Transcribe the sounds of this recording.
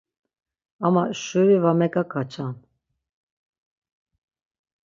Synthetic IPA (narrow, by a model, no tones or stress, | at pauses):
amaʃuvivamɛkʼakʰat͡ʃʰʼan